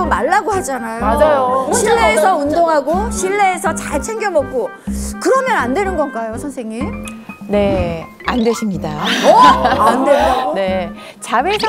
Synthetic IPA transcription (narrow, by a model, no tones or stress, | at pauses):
omaɭːaɡoɦad͡ʑanajomad͡ʑajoɕʰiɭːeːsʰʌundoŋɦaɡoɕʰiɭːe̞ːsʰʌt͡ɕaɭt͡ɕʰeŋɡjʌmʌk̚k͈o | kɯɾʌmjʌnandwe̞nɯnɡʌnkajosʰʌnsʰe̞ŋine̞ | andwe̞ɕʰimɲida | ndeone̞ | t͡ɕabesʰ